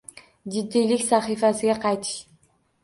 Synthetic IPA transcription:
d͡ʒid̪ːeliksɑχifasɪɡeqʰɑjt̪ʰɯ̥ʃ

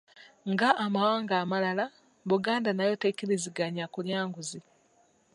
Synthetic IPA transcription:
ŋɡaːmawaːŋɡaːmalala | βuɡaːndanajo̞tekiɾiziɡaɲakuljaːŋɡuzi

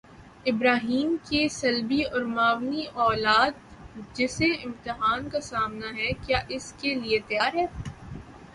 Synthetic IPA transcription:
ɪbɾaːɦiːmkesɐlbiɔːɾmaːʋniʔɔːlaːt̪̚d͡ʒɪseɪ̃mt̪ɪɦaːnkasaːmnaɦɛkjaːʔɪskeliet̪ɐjaːɾɦɛː

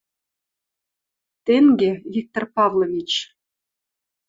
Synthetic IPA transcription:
t̪eŋɡʲevʲik̚t̪orpɑvlˠovʲit͡ɕ

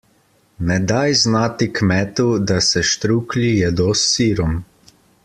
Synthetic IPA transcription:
nɛd̪ajznaːt̪ikmɛːt̪ud̪asɛʃt̪ɾuːklijɛd̪osːiːɾɔm

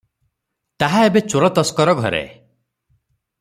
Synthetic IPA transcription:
t̪aɦaebet͡ʃoɾɔt̪ɔskɔɾɔɡʱɔ̰ɾḛ

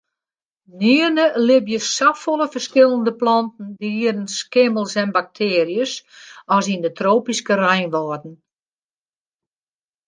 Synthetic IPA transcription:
niərnəlɪbjəsafɔlˠəfərskɪlˠəndəplɔntn̩diədənskɪməlˠsɛnbak̚tʰeːrijəsɔsindətroːpiskərɛjnʋɔːdn̩

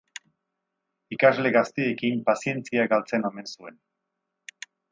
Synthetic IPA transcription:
ikazle̞ɣast̪iekimpasie̞nt͡siaɡalt͡se̞no̞me̞nsue̞n

